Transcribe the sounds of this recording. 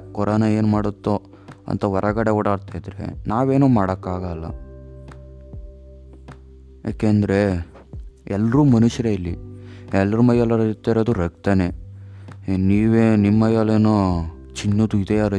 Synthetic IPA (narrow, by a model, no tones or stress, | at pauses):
kɔɾaːnɐe̞ːnmaːɽut̪ːo | ɐ̰nt̪ɐʋɔɾʔɐɡɐɽeuːɽaːɽt̪ajd̪ɾḛnaːʋeːnoːmaːɽɐkːaːɡɐlːɐ̰ | ja̰ːkeɐnd̪ɾe̞ | ɛlːɾuːmɐnuʃjɐɾeilːiɛlːɐɾumɐjɐlːɐɾɐt̪ːaɾoːd̪uɾɐkt̪ɐne | niːʋeːnimːɐjɐleːno | t͡ʃinːod̪uid̪eaɾɐ